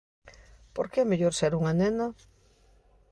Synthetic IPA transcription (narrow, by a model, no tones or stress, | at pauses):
poɾkeɛmeʎoɾseɾuŋanena